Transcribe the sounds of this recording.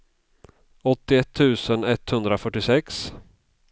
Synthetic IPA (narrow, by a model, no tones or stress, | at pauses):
ɔt̪ːɪɛt̪ʰːʉ̟ːsənɛt̪ːhɵnd̪ɾafœʈːɪsɛks